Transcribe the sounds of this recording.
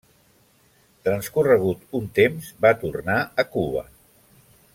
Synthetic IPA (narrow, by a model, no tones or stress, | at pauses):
t̪ɾənskurəɣ̞ut̪unt̪emzbat̪urnaəkuβə̰